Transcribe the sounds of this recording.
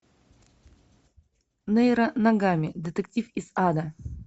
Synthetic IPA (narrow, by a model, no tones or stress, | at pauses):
nɛjɾɐnɐɡamʲɪd̪ɨt̪ɨk̚tʲifiz̥ad̪ɐ